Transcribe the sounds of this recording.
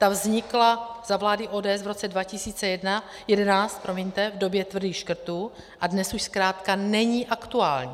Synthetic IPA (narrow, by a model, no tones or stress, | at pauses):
t̪avzɲɪklaz̥avlaːdɪʔoːdɛːɛsvɾo̞t͡sɛdvacɪsiːt͡sɛjɛdna | jɛdɛnaːt͡st̪̚pɾomɪɲt̪ɛvdo̞bjɛt̪vr̩diːxʃkr̩t̪uː | ʔadnɛsuʃskɾaːt̪kanɛɲiːʔakt̪uaːlɲiː